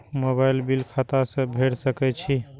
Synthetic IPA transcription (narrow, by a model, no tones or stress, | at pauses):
mobailbilkʰat̪asə̃bʱeɽsəkɛt͡ʃʰi